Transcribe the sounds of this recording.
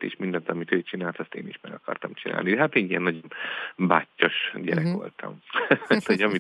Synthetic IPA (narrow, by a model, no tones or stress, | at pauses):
t̪ḛːʃmind̪ɛzɒmit̪øːt͡ʃinaːlt̪ɒst̪ḛːniʃmɛɡɒkɒrt̪ɒmt͡ʃinʔa̰ːlnid̪ɛɦat̪eːnijɛnːɒɟonbaːcːoʃɟɛɾɛkʋo̞̰lt̪ʰɒ̰mt̪hoɟɒmi